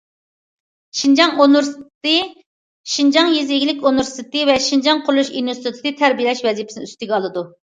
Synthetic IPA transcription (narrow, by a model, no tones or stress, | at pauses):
ʃind͡ʒɑŋonɾt̪ɨ | ʃind͡ʒɑŋjiziɡʲlɪkʲonuɾst̪ʰt̪ɨvɛʃind͡ʒɑŋqʰʊɾlˠuʃinust̪ʰɨt̪ʰɨd̪ɨt̪ʰæɾbijilɛʃvɛzijipʰɪ̥sn̰yst̪ɪɡʲɛɑlˠɨd̪u